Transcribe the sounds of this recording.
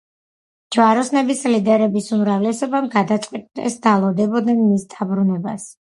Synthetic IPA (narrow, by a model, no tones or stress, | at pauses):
d͡ʒvaɾɔsnɛbislid̪ɛɾɛbisumɾavlɛsɔbamɡad̪at̪sʼqʼwit̪ʼd̪ɛ̰sd̪alˠɔd̪ɛbɔd̪nɛnmisd̪abɾunɛba̰s